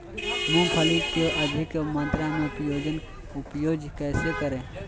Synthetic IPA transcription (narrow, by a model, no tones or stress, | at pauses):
mũpʰəlikeʔəd̪ʱɪkmə̃nt̪ɾãmẽʊpjoːd͡ʒən | ʊpjoːd͡ʒkɛːsekəɾẽː